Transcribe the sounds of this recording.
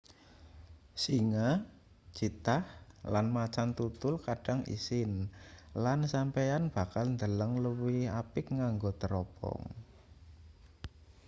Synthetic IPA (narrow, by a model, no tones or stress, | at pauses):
siŋḁ | d͡ʒ̥it̪ahlanmat͡ʃant̪ut̪ʊlkaɖ̥a̤ŋḭsɪnlansampejanb̥a̤kalnd̪ələŋləwihapɪkŋaŋɡot̪əɾɔpɔ̰ŋ